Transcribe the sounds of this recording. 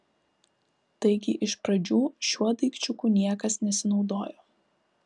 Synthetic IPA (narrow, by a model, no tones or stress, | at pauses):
t̪ɐɪɡʲɪʔɪʃpɾɐd͡ʒʲuːʃʲuɔd̪ɐɪkt͡ʃʲʊkuːnʲiɛkɐsnʲɛsʲɪnɒʊd̪oːjoː